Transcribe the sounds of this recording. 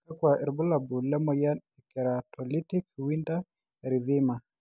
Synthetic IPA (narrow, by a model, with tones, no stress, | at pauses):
akwa˨ʔɛ˨ɾbɔ˦la˨bu˨lɛ˦mɔ˨ja˦nɛ˨kɛ˨ɾa˨tʰɔ˨li˦ti˦kwi˦nda˦ | ɾi˨ðɪ˦ma˨